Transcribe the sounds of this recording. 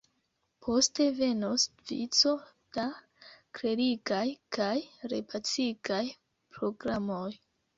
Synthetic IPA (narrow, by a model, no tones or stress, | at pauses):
pʰo̞ste̞ve̞nosvḭt͡so̞ | d̥a | kɾeɾiɡajkʰajɾḛpʰat͡siɡaj | pɾo̞ɡɾamo̞j